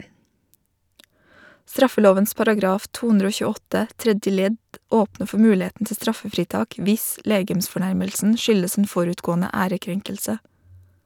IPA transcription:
ˈstɾɑfəˌloːʋəns pɑɾɑˈɡɾɑːf ˈtuː ˈʉndɾ ˈoː çʉːˈɔtə ˈtɾɛdjə ˈlɛd ˈoːpnə ˈfɔ ˈmʉːˌleːtn̩ ˈtɪ ˈstɾɑfəfɾiːˌtɑːk ˈʋɪs ˈleːɡəmsfɔˌɳæɾməlsn̩ ˈʃʏləs n̩ ˈfɔɾʉːtˌɡoːnə ˈæːɾəˌkɾɛŋkəlsə

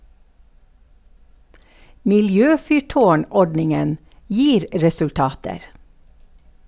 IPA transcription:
mɪlˈjøːfʏˌʈoːˌɳɔɖnɪŋən ˈjiːɾ ɾɛsʉlˈtɑːtəɾ

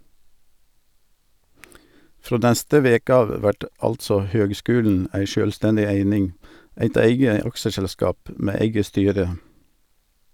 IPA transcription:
ˈfɾoː ˈnæstə ˈʋeːkə ˈɑːʋ ˈʋæʈ ˈɑltsɔ ˈhøːɡˌskʉːln̩ ˈʔæɪ ˈʃøːlˌstɛndɪ ˈæɪnɪŋ ˈæɪt ˈæɪɡə ˈɑkʃəsɛlˌskɑːp ˈmeː ˈæɪɡə ˈstyːɾə

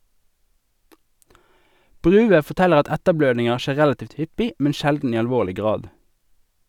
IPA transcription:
ˈbʁʉːʋə fɔʁˈtɛləʁ ˈɑt ˈɛtəˌbløːdnɪŋəʁ ˈʃeː ˈʁælɑˌtiːʋt ˈhʏpɪ ˈmɛn ˈʃɛldn̩ ˈiː ɑlˈʋoːʁlɪ ˈɡʁɑːd

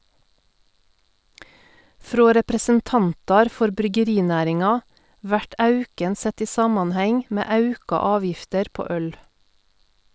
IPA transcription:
ˈfɾoː ɾɛpɾəsənˈtɑntɑɾ ˈfɔɾ bɾʏɡəˈɾiːˌnæːɾɪŋɑ ˈʋæʈ ˈɑʉkən ˈsɛt ˈiː ˈsɑːmɑnˌhɛŋ ˈmeː ˈɑʉkɑ ˈɑːˌʋjɪftəɾ ˈpoː ˈœl

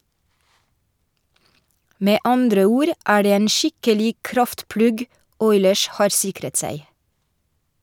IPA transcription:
ˈmeː ˈɑndɾə ˈuːɾ ˈʔæː ˈɖeː ˈeːn ˈʃɪkəlɪɡ ˈkɾɑftˌplʉɡ ˈɔʏləɹs ˈhɑːɾ ˈsɪkɾət ˈsæɪ

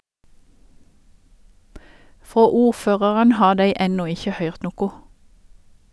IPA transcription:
ˈfoː ˈuːˌføːʁɑʁən ˈhɑː ˈdeɪ ˈɛnuː ˈɪçə ˈhœʏʁt ˈnuːkʊ

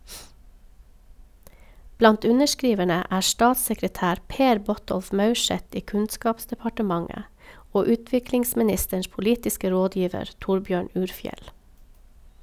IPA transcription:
ˈblɑnt ˈʉnəʃˌkɾiːʋəɳə ˈæː ˈstɑːtsəkɾəˌtæːɾ ˈpeːɾ ˈbɔˌtɔlf ˈmɑʉˌʃɛt ˈiː ˈkʉnˌskɑːpsdɛpɑʈəˌmɑŋə ˈoː ˈʉːtʋɪklɪŋsmɪˌnɪstəɳʃ pʊˈliːtɪskə ˈɾoːˌdjiːʋəɾ ˈtʊɾˌbjøːɳ ˈʉːɾˌfjɛl

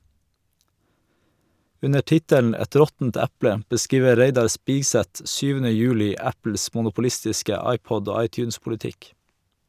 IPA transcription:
ˈʉnə ˈʈɪtəln ˈæt ˈɾɔtn̩t ˈæpɽə bəˈskiːʋə ˈɾeɪdɑɾ ˈspɪɡˌsɛt ˈsyːʋənə ˈjʉːlɪ ˈæpl̩s mʊnʊpʊˈlɪstɪskə ˈɑɪˌpɔd ˈoː ˈɑɪˌtjʉːnspʊlɪˌtɪk

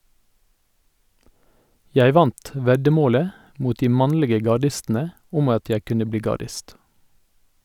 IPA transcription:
ˈjæɪ ˈʋɑnt ˈʋɛdəˌmoːlə ˈmuːt ˈdiː ˈmɑnlɪɡə ɡɑˈɖɪstn̩ə ˈʊm ˈɑt ˈjæ ˈkʉnə ˈbliː ɡɑˈɖɪst

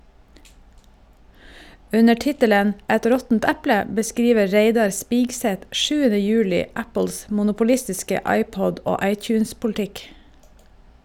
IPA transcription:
ˈʉnə ˈʈɪtələn ˈɛt ˈɾɔtn̩t ˈæplə bəˈskɾiːʋə ˈɹæɪdɑɾ ˈspɪɡsɛt ˈʔʃʉːənə ˈjʉːlɪ ˈæpɭ̩s mʊnʊpʊˈlɪstɪskə ˈɑɪˌpɔɟ ˈoː ˈɑɪˌtjʉːnspʊlˌtɪk

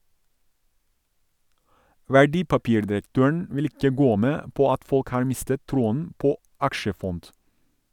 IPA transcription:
ʋæˈɖiːpɑˌpiːɾdɪɾəkˌtøːəɳ ˈʋɪl ˈɪkə ˈɡoː ˈmeː ˈpoː ˈɑt ˈfɔlk ˈhɑːɹ ˈmɪstət ˈtɾuːən ˈpoː ˈɑkʃəˌfɔnt

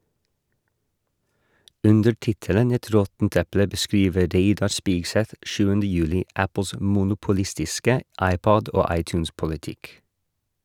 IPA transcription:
ˈʔʉndə ˈʈɪtələn ˈɛt ˈɾɔtn̩t ˈɛplə bəˈskɾiːʋə ˈɾeɪdɑɾ ˈspiːɡˌsɛt ˈʃʉːəndə ˈjʉːlɪ ˈæpəs mʊnʊpʊˈlɪstɪskə ˈɑɪˌpɔd ˈoː ˈɑɪˌtjʉːnspʊlɪˌtɪk

